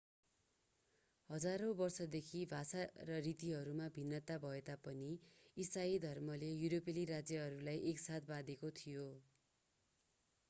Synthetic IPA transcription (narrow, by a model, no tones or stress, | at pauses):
hʌd͡zaɾõbʌrsʌd̪ekʰibʱasarʌrit̪iɦʌɾumabʱinːʌt̪abʱʌet̪apʌniisaid̪ʱʌrmʌlejuɾopeliɾad͡zjʌɦʌɾulajʔeksat̪̚ʰbad̪ekot̪ʰijo